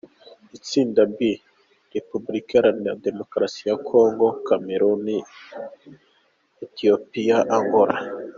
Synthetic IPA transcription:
it͡siːndabɡi | ɾepublikeaɾanijade̞mo̞kɾasijakʰo̞ːŋɡo̞kameɾoni | etiopijaʔaŋɡoɾa̰

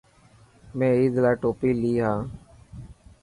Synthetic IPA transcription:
mɛ̃ːiːd̪laːʈoːpiːliːɦãː

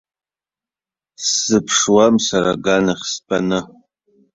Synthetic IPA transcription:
sɨpʰʂwamsaɾaɡanaχʲspʼanɨ

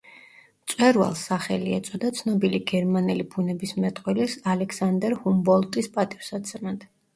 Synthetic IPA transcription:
t̪sʼwɛɾwa̰lˠsːaχɛliɛt̪sʼɔd̪at̪sʰnɔbiliɡɛɾmanɛlibʰunɛbismɛt̪ʼqʼwɛlisalɛkʰsand̪ɛɾhumbɔlˠt̪ʼispʼat̪ʼifsad̪sʰɾnad̪

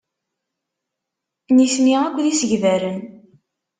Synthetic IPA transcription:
nisniækʷːðisəʝvæɾən

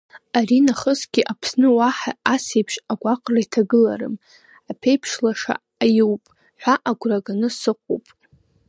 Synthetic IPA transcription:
arinaχəsɡʲiʔapʰsnɨwaħa̰ːsejpʰʂaɡʷaqʼraitʰaɡɨla̰rɨ̰m | apʰejpʰʂlaʂa̰ːjuwpʼ | ħᶣʷaʔaɡʷraɡanɨsɨqʷʼo̰wpʼ

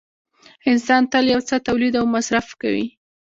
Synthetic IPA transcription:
ɪnsɑnt̪əljawt͡sət̪awlid̪awmasɾafka̰wḭ

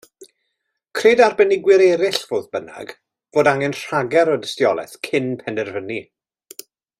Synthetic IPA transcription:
kʰreːdarbɛnɪɡwɪɾɛɾɪɬv̥oːðbəna̰ɡ̥ | v̥oːdaŋɛnr̥aɡɛɾɔdəstjɔlˠɛ̰θkʰɪnpʰɛnɛrvəni

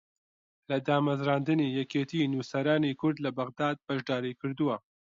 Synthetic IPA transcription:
lɐd̪aːmɐzɾɑːnd̪ɨniːjɛkeːt̪inuːsɐɾaːnikʰʊɾd̪lɐbɐɣd̪aːd̪̚bɐʒd̪ɑːɾikɨɾd̪uwɐ

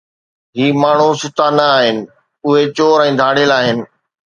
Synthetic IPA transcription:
ɦiːmaːɳ̤usʊt̪ʰanəːɦɪnɪ̆ | ʊɦet͡ɕoːɾɛ̃ːd̪ʱaːɽ̤elaːɦɪnɪ̆

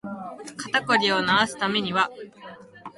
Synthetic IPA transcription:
kat̪ako̞ɾʲio̞naasɨ̥t̪ame̞ɲ̟iβa

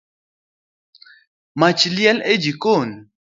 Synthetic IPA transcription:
mat͡ʃljɛled͡ʒikon

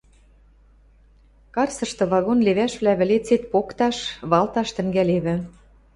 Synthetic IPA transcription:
kɑrsɤ̆ʃt̪ɤ̆βɑɣonleβæʃβlæβɘ̆let͡set̪̚pokt̪ɑʃβɑlt̪ɑʃt̪ɘ̆ŋɡæleβɘ̆

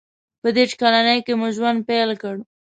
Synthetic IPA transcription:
pəd̪eʈkalanəjkemʊʒwand̪̚pelkəɽ

